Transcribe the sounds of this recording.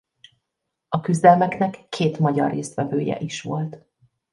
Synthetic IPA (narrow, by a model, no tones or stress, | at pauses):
ɒkyzd̪ɛlmɛknɛkːeːt̪mɒɟɒrːeːst̪ʋɛvøːjɛ̰ʔiʃʋo̞lt̪